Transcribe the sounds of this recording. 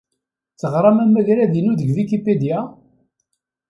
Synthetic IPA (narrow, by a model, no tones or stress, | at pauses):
t͡sːəʁɾˤɑmæmæʝɾæðinuðəɡðikiped̪ja